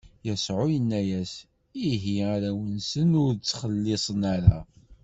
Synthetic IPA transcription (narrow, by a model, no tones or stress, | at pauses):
jəsʕʊjənːæjæs | iɦiaɾæwənsənʊɾt͡sːχəlːesˤənaɾa